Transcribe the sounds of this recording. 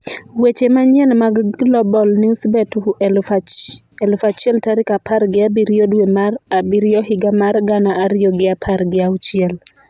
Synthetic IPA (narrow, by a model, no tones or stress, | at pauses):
wet͡ʃemaɲjɛnmaɡlɔbɔlnɪusbɛtu | ɛlfat͡ʃɪɛltaɾɪkapʰaɾɡɪabiɾijodwemarabiɾjɔhɪɡamarɡanaʔːɾɪjɔɡɪapʰaɾɡɪawt͡ʃjɛl